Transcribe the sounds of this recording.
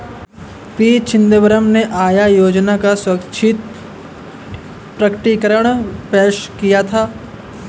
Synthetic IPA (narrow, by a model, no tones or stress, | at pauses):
piːt͡ʃʰɪ̃nd̪ebəɾəmneʔaːjajoːd͡ʒnakasʊɾəkt͡ʃʰɪt̪̚ | pɾɐkəʈikəɾəɽ̃peːʃkijat̪ʰaː